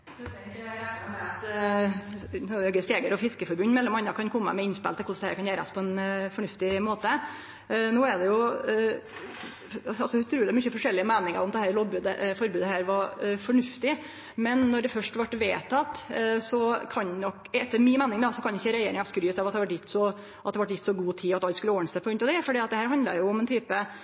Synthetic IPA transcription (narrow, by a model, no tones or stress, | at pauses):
ɛəɛɛt̪ | nːɛɡəst̪eːɡəɾɔfɪskəfɔɾbʉnːmɛlːɔmɑnːɑkʰɑnkʰɔmːə̰mɛɪnspɛ̰lt̪ʰɛkʊʂd̪ɛhæ̰ːɾkʰɑnjæːɾɑ̰spʰɔɛnfɔɳʉft̪ɪmoːt̪ə | nuːɛɖ̪ɛjʊ | ɑɑlsɔʉt̪ʰɾʉːlmʏçəfɔʂɛlːɪəmeːnɪŋə̰ɾʊmd̪ɛhæːɾloːɡbʉːd̪ə̰fɔɾbʉːd̪əɦæːɾʋɑɾfɔɳʉft̪ɪ | mɛnːɔɖɛfœʂʈʋæʈːʋeːt̪ʰɑt̪sɔkʰɑnnɔkɛt̪ːəɾmɪnmæːnɪŋd̪ɑsɔkʰɑnɪçːəɾɛjeːɾɪŋɑskɾyːt̪ɑʋɑt̪d̪hʋæʈjɪt̪ːsɔ | ʔɑt̪d̪ɛʋɑʈjɪt̪sɔɡuːt̪ʰiːɑt̪ɑlt̪skʉlːəoːənsəpʰɔɡɾʉnt̪ɑʋd̪ɛfɔɖiːɑt̪̚d̪ɛhæːɾɦɑnd̪lə̰ɾjʊʊmɛnt̪ʰyːpə